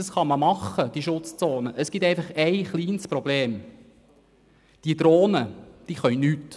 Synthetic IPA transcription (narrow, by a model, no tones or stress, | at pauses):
ɑsχɑməmɑχːəd̥iəʃʊt͡st͡soːnəʔəsɡ̥it̪ɛɪfɑχɛɪχliːnspɾɔbleːm | d̪̥iəd̥̪ɾoːnəd̥iːχœnnyt